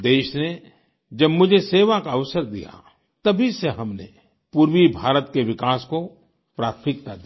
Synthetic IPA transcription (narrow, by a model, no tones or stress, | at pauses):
d̪eːʃne | d͡ʒɐbmʊd͡ʒʱeseːʋakaɐʋsəɾd̪ḭja̰ | t̪ɐbʱiseɦɐmnḛ | puːɾwibʱaːɾət̪keʋɪkaːsko | pɾaːt̪ʰmɪk̚t̪ad̪i